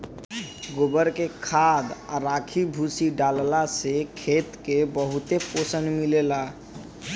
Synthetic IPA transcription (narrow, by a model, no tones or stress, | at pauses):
ɡobəɾkekʰad̪aɾakʰibʱusiɖallasekʰet̪kebəɦut̪eposənmilela